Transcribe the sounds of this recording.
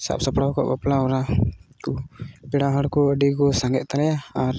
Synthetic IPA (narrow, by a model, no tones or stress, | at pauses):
sa̰p̚sapɽaɔkɔ̰ʔbaplaɔɾakupɛɽaɦaɽkɔəɖiɡɔsaŋɡɛʔ̚t̪alɛjaːɾ